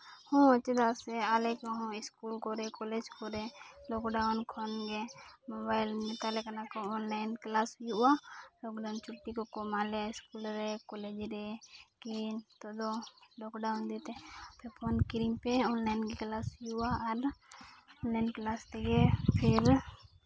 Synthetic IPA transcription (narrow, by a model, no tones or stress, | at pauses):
hõət͡ʃd̪aseaːlekaɦõɪskuːlkoɾekoːled͡ʒkoɾeloːkɖaʊnkʰonɡemobaːɪlnet̪alekanakooːnlaɪnklaːsjualoːkɖaʊnt͡ʃʰʊʈːikokomaleaɪskuːlɾekoleːd͡ʒɾekint̪od̪oloːkɖaʊnd̪et̪epʰɪɾpʰoːnkɪɾiŋpeoːnlaɪnkiklaːsjuaɐɾ | oːnlaɪnklaːst̪eɡepʰɪɾ